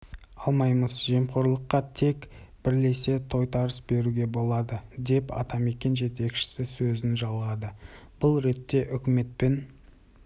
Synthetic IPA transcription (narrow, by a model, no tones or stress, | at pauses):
ɑlˠmɑjməzʒe̞mqo̞ɾlˠəqːɑt̪ʰe̞kb̥ɪɾle̞se̞t̪ʰo̞jt̪ʰɑɾəsbe̞ɾuɡʲe̞bo̞lˠɑd̪əd̪e̞pɑ̰t̪ɑme̞kʲe̞nʒe̞t̪e̞kʃɪ̥sɪsɵzɪnʒɑlˠʁɑd̪ə | b̥ʊlˠɾe̞t̪ːe̞ʔʏkʲɪme̞t̪̚pe̞n